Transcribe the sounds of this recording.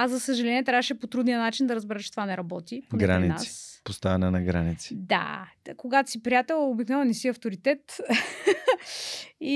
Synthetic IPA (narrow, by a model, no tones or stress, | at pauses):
azɐsəʒɐlɛniɛt̪ɾavəʃɛpot̪ɾud̪nijənat͡ʃind̪ɐɾəzbɛɾɛt͡ʃɛt̪ovanɛɾɐbɔt̪ip̪ɡɾaninassi̥post̪avɛnɛnɐɡɾanit̪si̥d̪a̰koɡat̪o̥sipɾijat̪ɛlˠobiknɔvɛnɛsiɐft̪oɾit̪ɛt̪ | i